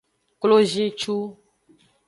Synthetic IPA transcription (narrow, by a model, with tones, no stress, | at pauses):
klo˦ʒĩ˦t͡ʃu˦